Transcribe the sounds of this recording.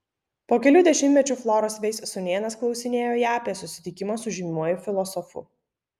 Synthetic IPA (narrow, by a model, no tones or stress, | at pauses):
poːkʲɛlʲuːd̪ʲɛʃʲɪmʲt̪ʲɛt͡ʃʲuflˠɔːɾɔsʋʲɛɪssʊnʲeːnɐsklˠɒʊsʲɪnʲeːjoːjæːɐpʲiɛsʊsʲɪ̥t̪ʲɪkʲɪmɐsʊʒʲɪmʲuɔjɪfʲɪlˠɔsɔfʊ̰